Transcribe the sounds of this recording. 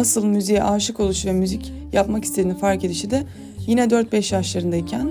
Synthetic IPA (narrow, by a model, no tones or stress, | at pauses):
asɯlˠmyzijɛʔaːʃɯko̞lˠuʃvɛmyzic | japmaki̥st̪ʰed̪inifaɾke̞d̪iʃid̪ɪ | jinɛd̪øɾt̪̚bɛʃjaʃlˠaɾɯnd̪aicʰæn